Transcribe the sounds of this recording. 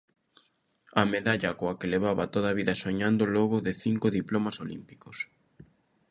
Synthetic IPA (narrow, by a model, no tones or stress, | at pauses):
ɐmeðaʎakoɐkeleβ̞aβɐt̪oðaβiðɐsoɲand̪ʊlɔɣʊðɪθiŋkʊðiplomasolḭmpi̥kos